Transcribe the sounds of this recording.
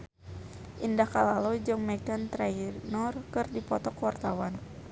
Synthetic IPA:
ʔindahkalalɔd͡ʒɨŋmɛk̚dant̪ɾainɔrkɨrdipɔt̪ɔkwart̪awan

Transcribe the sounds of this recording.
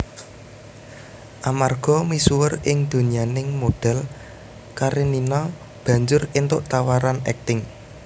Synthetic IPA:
ʔamarɡ̥ɔ̤misuwərɪŋd̪̥o̤nianɪŋmod̪̥ɛ̤l | kaɾeninɔ | b̥ä̤ɲd͡ʒʊrɪnt̪ʊʔt̪awaɾanɛ̰k̚t̪ɪŋ

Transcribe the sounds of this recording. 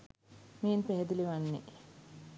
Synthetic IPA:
miːnpeɦed̪iliʋanːḭ

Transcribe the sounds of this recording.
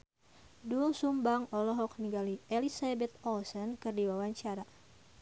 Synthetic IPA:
duŋsumbaŋɔlɔɦɔk̚niɡalielisabɛt̪̚ɔlsɔnkɨrdiwawaɲt͡ʃaɾa

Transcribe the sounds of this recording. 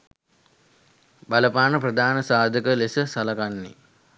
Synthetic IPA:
baləpaːnəprəd̪aːnəsaːd̪ʱəkəlesəsɐlakanːḛ

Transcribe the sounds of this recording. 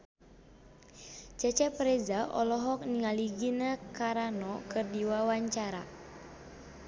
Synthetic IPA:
d͡ʒat͡ʃɛpɾezaʔɔ̰lɔɦɔk̚niŋaliɡinakaɾanɔkɨrdiwawaɲt͡ʃaɾa̰

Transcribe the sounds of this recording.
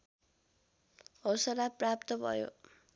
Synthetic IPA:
ʌwsʌɾaprap̚t̪ʌbʱʌ̰jo̰

